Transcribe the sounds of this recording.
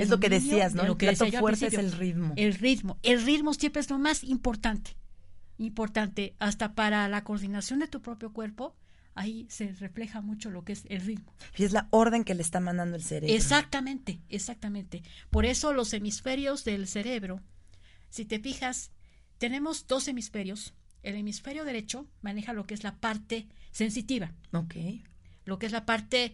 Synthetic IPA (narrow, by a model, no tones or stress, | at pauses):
ezlokeðesiaznolokeðesoajoafweɾtsejoelriðmoelriðmo̞elriðmosjempeezlo̞masimpo̞ɾt̪ant̪e̥impo̞ɾt̪ant̪e̞ast̪apaɾalako̞ɾðinasjo̞nd̪et̪upɾo̞pjo̞kwe̞ɾpo | aise̞re̞fle̞xamut͡ʃo̞lo̞kee̞selriðmoiezlaoɾðe̞ŋke̞leːst̪amãnd̪and̪o̞elseɾeeɾsoak̚t̪amẽ̞nt̪e̞ːsak̚t̪amẽnt̪e̞po̞ɾe̞so̞lo̞se̞misfe̞ɾjo̞zðe̞lse̞ɾe̞βɾo̞ː | it̪e̞fixas | t̪e̞ne̞mo̞zd̪o̞se̞misfe̞ɾjo̞s | e̞le̞misfe̞ɾjo̞ðeɾe̞t͡ʃo̞mãne̞xalo̞keezlapaɾt̪e̞se̞ns̬it̪iβaokʰejlo̞keezlapaɾt̪e̞